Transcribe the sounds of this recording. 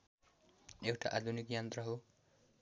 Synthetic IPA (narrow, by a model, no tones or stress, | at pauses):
ewʈaʔad̪ʱunikjʌnt̪rʌɦo